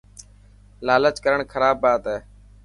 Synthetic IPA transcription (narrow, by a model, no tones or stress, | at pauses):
laːlət͡ʃkəɾəɳkʰəɾaːbːaːt̪ɛː